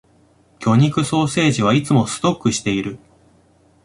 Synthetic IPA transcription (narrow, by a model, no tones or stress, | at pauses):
kʲo̞ɲ̟ikɯ̟so̞ːse̞ːʑiβait͡sɨmo̞sɨ̥t̪o̞kːɯ̟ɕi̥t̪e̞iɾɯ̟